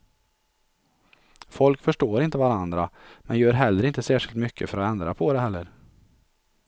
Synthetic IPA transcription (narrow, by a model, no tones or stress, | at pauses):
fɔlkfœʂʈoːɾɪnt̪əvaɾand̪ɾamɛnjœːɾɦɛlːəɾɪnt̪əsæːʂɪlt̪mʏkʰːəfœɾɔɛnd̪ɾapʰɔd̪ɛhɛlːəɾ